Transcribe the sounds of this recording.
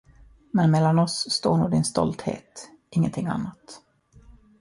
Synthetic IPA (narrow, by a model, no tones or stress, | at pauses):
mɛnmɛlːanɔsːt̪oːɳuːd̪ɪnst̪ɔ̰lt̪hḛːt̪ | ʔɪŋːə̰nt̪ʰɪŋːa̰nːat̪